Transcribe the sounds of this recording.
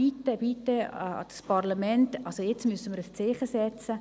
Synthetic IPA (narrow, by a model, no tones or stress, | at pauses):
itəbit̪ə̰d̥spɑrlɑmɛntɑlsojɛt͡smysəməɾəst͡sɪχəsɛt͡sə